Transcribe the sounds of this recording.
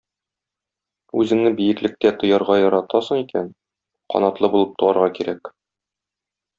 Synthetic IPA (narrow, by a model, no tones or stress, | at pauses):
ʉzɘ̆ŋnɘbijɘ̆klɘ̆k̚t̪æt̪ŏjɑɾʁɑjɒɾɑt̪ɑsɤ̆ɴikæn | qɒ̰nɑt̪lˠɤbulˠɤp̚t̪ʰŏɑɾʁɑkiɾæk